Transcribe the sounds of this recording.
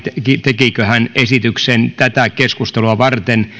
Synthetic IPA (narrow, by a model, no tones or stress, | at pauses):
t̪ekit̪ekikøhænesit̪yksent̪æt̪ækeskust̪eluɑʋɑrt̪en